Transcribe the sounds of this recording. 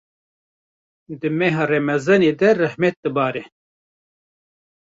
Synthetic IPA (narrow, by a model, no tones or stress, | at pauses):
d̪ɨmɛɦaremɛzɐneːd̪ɛrɛhmɛt̪̚d̪ɨbaːɾɛ